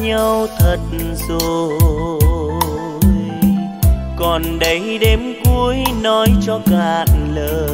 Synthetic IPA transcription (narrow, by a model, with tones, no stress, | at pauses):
ɲə˧wt̪ʰə˨˩t̚zo˨˩ | j | kɔ˨˩nɗə˨˦jɗe˨˦mku˧əjnɔ˨˦jt͡ɕɔ˧kaː˨˩nləː˧˨˩